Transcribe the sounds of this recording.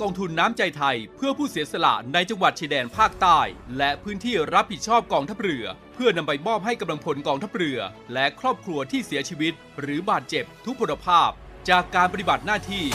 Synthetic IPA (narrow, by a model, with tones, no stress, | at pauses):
kɔː˧ŋt̪ʰu˧nːaː˦˥mt͡ɕa˧jt̪ʰa˧jpʰɯ˥˩ɐpʰuː˥˩si˩˦jsa˧la̰˨˩ʔna˧jt͡ɕa˧ŋwa˨˩t̪̚t͡ɕʰiː˧dɛː˧npʰaː˥˩k̚t̪aː˥˩jlɛ˦˥ʔpʰɯː˦˥nt̪ʰiː˥˩ɾa˦˥p̚hi˨˩t̪̚t͡ɕʰɔː˥˩p̚kɔː˧ŋt̪ʰa˦˥p̚ɾɯ˧˩ɐ | pʰɯ˥˩ɐna˧mpa˧jmɔː˥˩p̚ɦa˥˩jka˧mla˧ŋpʰo˩˦nkɔː˧ŋt̪ʰa˦˥p̚ɾɯ˧˩ɐ | lɛ˦˥kʰɾɔː˥˩p̚kʰɾu˧ɐt̪ʰiː˥˩si˩˦ɐt͡ɕʰiː˧wi˦˥t̪̚ɾɯː˩˦baː˨˩t̪̚t͡ɕe˨˩p̚t̪ʰːu˦˥k̚pʰːo˧na˧pʰaː˥˩p̚t͡ɕaː˨˩kːaː˧npa˧t̪i˧˩ba˨˩t̪̚naː˥˩t̪ʰiː˥˩